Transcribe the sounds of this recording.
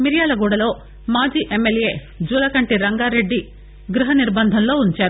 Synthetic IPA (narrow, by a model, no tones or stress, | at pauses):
miɾijaːlɐɡuːɽɐlo̞ː | maːd͡ʒiːʔemːelje̞ː | d͡ʒuːlɐkɐɳʈiɾɐŋɡaːɾe̞ɖːi | ɡɾuɦɐniɾbɐnd̪ʱɐnlo̞ːuɲt͡ʃaːɾu